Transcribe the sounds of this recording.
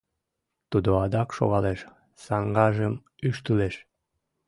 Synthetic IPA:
t̪ud̪oɑd̪ɑkʃo̰ɣɑleʃ | sɑŋɡɑʒəm | yʃt̪yleʃ

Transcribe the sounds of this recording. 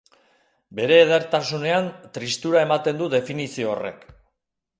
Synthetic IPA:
be̞ɾe̞ːð̞eɾt̪asune̞ant̪ɾist̪uɾae̞mat̪e̞nd̪uðe̞finisio̞̰ːre̞̰k

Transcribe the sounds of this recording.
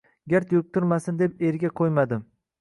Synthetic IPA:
ɡʲaɾt̪jʊk̚ʲt̪ʊɾmasɪnd̪e̞peɾɡʲaqʰojmad̪ɪm

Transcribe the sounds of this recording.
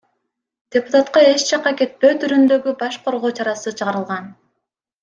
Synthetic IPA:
d̪̥ʲepu̥t̪at̪qɑe̞t͡ʃt͡ʃɑqɑke̞t̪̚pø̞ːt̪ʰyɾynd̪ø̞ɡybɑʃqʰo̞ɾʁo̞ːt͡ʃɑɾɑsɯt͡ʃʰɯʁɑɾɯlˠʁɑn

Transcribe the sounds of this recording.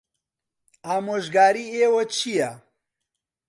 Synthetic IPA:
aːmoːʒɡaːɾiːeːwɐt͡ʃʰijɐ

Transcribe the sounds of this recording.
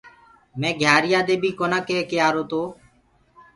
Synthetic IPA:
mɛ̃ːɡʱjaːɾɪjaːd̪eːbʱiːkoːnãːkeːkeːaːɾoːt̪oː

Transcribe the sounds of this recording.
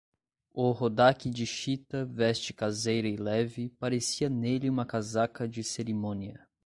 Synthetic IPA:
ʊhod̪akɪd͡ʒɪʃit̪ɐvɛst͡ʃɪ̥kazejɾɐɪlɛvɪpaɾesiɐneliũmɐkazakɐd͡ʒɪseɾimõniɐ

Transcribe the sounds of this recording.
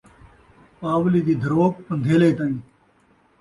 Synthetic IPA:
paːʋliːd̪iːd̪ʱəɾoːk̚pənd̪ʱeːleːt̪aːĩː

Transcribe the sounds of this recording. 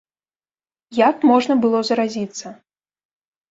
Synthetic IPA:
jakmɔʐnɐbɨlˠɔzɐɾazʲit̪sːɐ

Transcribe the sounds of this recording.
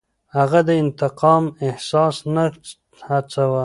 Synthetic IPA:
haɣad̪əɪnt̪ɪqɑmɪhsɑsna | hat͡sawa

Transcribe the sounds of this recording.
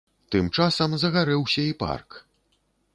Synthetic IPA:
t̪ɨmt͡ʂasɐmzɐɣaɾɛwsʲɐipa̰rk

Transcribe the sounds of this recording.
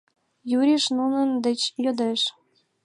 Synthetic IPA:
juɾʲiʃnunə̆nd̪ə̆t͡ɕjod̪eʃ

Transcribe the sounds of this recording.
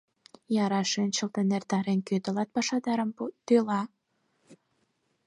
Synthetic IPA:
jɑɾɑʃent͡ɕəlt̪ənert̪ɑɾenkøt̪ə̆lɑt̪̚pɑʃɑd̪ɑɾəmt̪ølɑ

